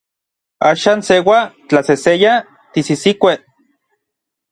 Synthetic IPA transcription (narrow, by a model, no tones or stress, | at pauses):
aːʃaːnsewat͡ɬaseseja | t̪isisikʷeʔ